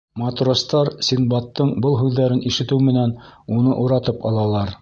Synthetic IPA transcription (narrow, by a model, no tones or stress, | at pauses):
mɑt̪rost̪ɑɾsʲinbɑt̪ːɤɴbɤlˠɦʉðːæɾɘnʔiʃɘ̆t̪ɘwmɘ̆nænunɤʔuɾɑt̪ɤpɑ̰lˠɑlˠɑɾ